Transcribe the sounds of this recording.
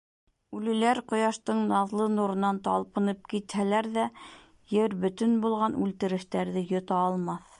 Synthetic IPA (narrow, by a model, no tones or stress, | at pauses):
ʉlɘ̆læɾqŏjɑʃt̪ɤɴnɑðlˠɤnuɾɤ̆nɑnt̪ɑ̰lˠpɤ̆nɤp̚kit̪hælæɾðæ | jɘɾbɵ̆t̪ɘnbulˠʁɑnʉlt̪ɘ̆ɾɘ̆ʃt̪æɾðɘjŏt̪ɑːlˠmɑθ